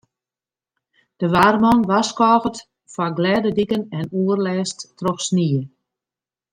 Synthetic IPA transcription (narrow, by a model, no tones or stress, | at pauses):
d̥əʋaːrmɔnʋaskɔːɣət | faɡlɛːdədikənɛnuərlɛːstːrɔxsniə